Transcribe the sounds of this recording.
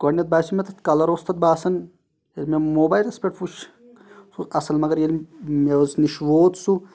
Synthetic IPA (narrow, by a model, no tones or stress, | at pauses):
kɐnɐt̪̚baːsimet̪ʰɐt̪kɐlɐɾoːst̪ʰɐt̪̚baːsɐn | jelʲmemoːbaːjlɐspʲeʈfuʃ | suʔɐsɐlmɐɡɐɾjelʲmeʋɐsniʃʋoːt̪su